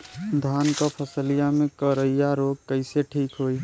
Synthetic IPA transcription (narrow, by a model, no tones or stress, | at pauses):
d̪ʱaːnkapʰəsəlijamẽkəɾəijaɾoːɡ̚kəɪseʈʰiːkɦoːi